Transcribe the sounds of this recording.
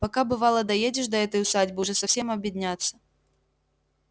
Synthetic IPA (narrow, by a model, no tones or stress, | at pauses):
pakabɨvalˠɐd̪ɐjed͡zʲɪʂd̪ɐɛt̪əjʊsadʲbɨʐɛsɐfsʲemɐbʲjɪd̪ʲnʲat̪sːɐ